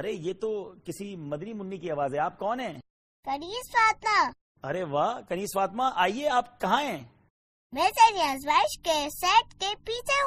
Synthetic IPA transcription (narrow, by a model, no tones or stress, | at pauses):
ɐɾejeːt̪okɪsimɐd̪nimʊnːikiɐʋaːzɦɛ̃aːp̚kɔːnɦɛ̃ː | kɐniːsfaːt̪ma | ɐɾeʋaːkɐniːsfaːt̪maʔaːieaːp̚kɐɦãɦɛ̃ː | mezeːɾiãzʋaːɪʃkesɛːʈkepiːt͡ʃʰe